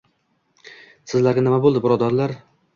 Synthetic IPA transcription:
sɪzlaɾɡʲanɪmabolˠd̪ɪbʊɾɒd̪ɒɾlaɾ

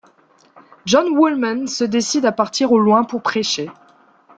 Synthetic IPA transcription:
ʒɔnwulmansəd̪esid̪apaʁt̪iʁolwɛ̃puʁpχeʃe

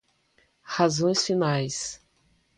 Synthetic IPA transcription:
hazõj̃sfinajs

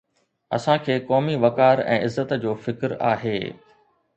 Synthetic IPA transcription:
ɐ̰sãkʰeːkɔːmiʋɐkaːɾɛ̰̃ːɪzːət̪d͡ʑoːfɪkɾa̰ːɦeː

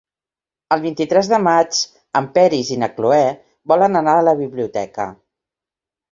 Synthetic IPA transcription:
əlˠβint̪it̪ɾɛzðəmad͡ʒ | əmpɛɾizinəkluɛ | bɔlənənaələβiβliut̪ɛ̰kə̰

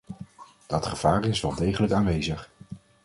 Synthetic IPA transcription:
d̥ɑtχəv̥aːrɪsʋɛlˠdejχələkaːnʋejzəχ

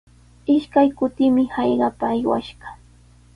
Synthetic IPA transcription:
ɪʃkajkʊt̪ɪmɪhɑjɢɑpaːjwa̰ʃɢɑ̥

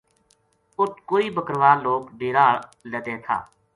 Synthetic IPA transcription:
ʊt̪koːiːbəkɾʋaːloːɡɖeːɾaːləd̪eːt̪ʰa̰ː

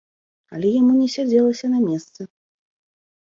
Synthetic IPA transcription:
ɐlʲɛjamunʲɛsʲad͡zʲɛlˠɐsʲɐnamʲɛst̪sɐ

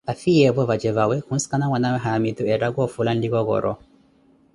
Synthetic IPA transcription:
afijɛvɔvad͡ʒɛvawɛkunskanawanawɛɦamit̪uɛɾaɡwɔfulanliɣɔɣɔ̰ɾʔɔ̰

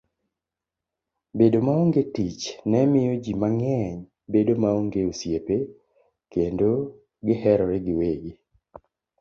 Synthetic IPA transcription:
bedomaoŋɡetit͡ʃnɛmɪjɔd͡ʒimaŋɛɲ | bedomaoŋɡeosjepe | kendo | ɡɪhɛɾɔɾɛɡɪweɡi

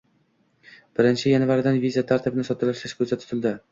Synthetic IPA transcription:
b̥ɪɾɪnt͡ʃʰɪjanvaɾd̪anvizat̪ʰaɾt̪ʰɪbɪnɪsɒt̪ʰɪlaʃlɪʃkʰɵsat̪ʰʊ̥t̪ʰɪlˠd̪ɪ

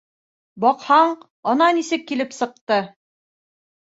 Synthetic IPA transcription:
bɒqhɑɴ | ɤ̆nɑnisɘkːilɘpsɤ̆q̚t̪ɤ

